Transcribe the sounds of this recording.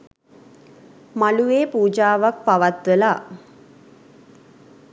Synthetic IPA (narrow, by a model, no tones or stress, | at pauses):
maluʋeːpuːd͡ʒaːʋak̚paʋat̪ʋəla